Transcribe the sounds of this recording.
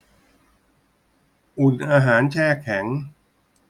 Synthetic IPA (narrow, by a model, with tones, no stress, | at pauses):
ʔu˨˩nʔaː˧ɦaː˩˦˥nt͡ɕʰɛː˥˩kʰɛ˩˦ŋ